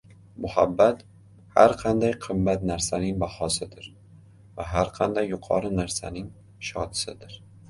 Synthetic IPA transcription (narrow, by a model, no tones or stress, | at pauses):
mʊhabːat̪ | ha̰ɾqʰɑnd̪ajqʰɨmːat̪naɾsanɪŋbahɒsɪd̪ɪɾ | vaɦaɾqʰɑnd̪ajːʊqʰɒ̰ɾɪnaɾsanɪŋ | ʃɒd̪sɪd̪ɪɾ